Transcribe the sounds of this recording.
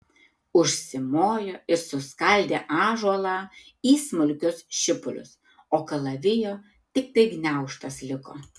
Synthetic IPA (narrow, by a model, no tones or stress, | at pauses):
ʊʃʲsʲɪmoːjoɪɾsʊskɐlʲd̪ʲeːʔɑːʒuɔlˠɑːiːsmʊlʲkʲʊsʃʲɪpʊlʲʊ̰s | oːkɐlˠɐʋʲɪjoː | t̪ʲɪk̚t̪ɐɪɡnʲæˑʊʃt̪ɐslʲɪko̰ː